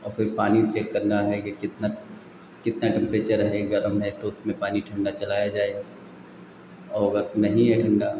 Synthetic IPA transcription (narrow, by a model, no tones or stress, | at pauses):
ɔːɾfɪɾpaːnit͡ʃeːkːɐɾnaɦɛkekɪt̪na | kɪt̪naʈɛ̃mpɾeːt͡ʃəɾɦɛɡɐɾəmɦɛt̪oʊsmẽpaːniʈʰɐ̃ɳɖat͡ʃɐlaːjad͡ʒaːe | ɔːɾənɐɦĩɦɛʈʰɐ̃ɳɖa